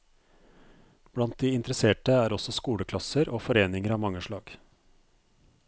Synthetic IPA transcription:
b̥ɽɑnt̪̚d̪iːɪnt̪əɾəseːʈəæːɾɔsɔskuːɽəkʰlɑsəɾoːfɔɾeːnɪŋəɾɑːʋmɑŋːəʂɭɑːɡ̥

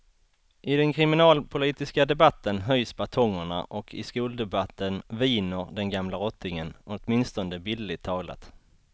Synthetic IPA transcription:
ʔɪd̪ɛnkʰɾɪmɪnɑːlpʰʊliːt̪ɪskad̪ɛbat̪ʰːənɦœjsbat̪ʰɔŋːəɳa̰ʔɔkʰɪ̰skuːld̪ɛbat̪ʰːənviːnəɾɖ̪ɛnɡamlaɾɔt̪ʰːɪŋənɔt̪mɪnst̪ɔnd̪əbɪlːɪt̪ʰːɑːɡla̰t̪

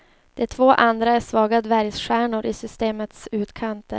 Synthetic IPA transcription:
d̪̥ɛt̪ʰvoːʔand̪ɾaæʂvɑːɡad̪væɾjsɧæːɳʊɾʔɪsʏst̪eːmət̪sʉ̟ːt̪kʰant̪ʰə̰

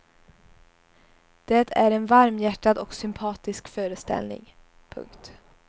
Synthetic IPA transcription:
d̪̥ɛt̪ʰæɾɛnvaɾmjæʈːad̪ɔksʏmpʰɑːt̪ɪskfœːɾəst̪ɛ̰lnɪ̰ŋ | pʰɵ̰ŋkt̪

